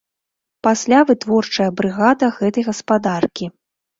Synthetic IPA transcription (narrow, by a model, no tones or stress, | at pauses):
pasʲlʲavɨt̪vɔrt͡ʂɐjɐbɾɨɣad̪ɐɣɛt̪ɐjɣɐspad̪arkʲi